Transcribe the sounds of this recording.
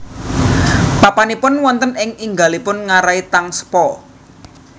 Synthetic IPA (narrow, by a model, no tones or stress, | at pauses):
papanipʊnwɔnt̪ənɪŋiŋɡalipʊnŋaɾait̪aŋsə̥pɔ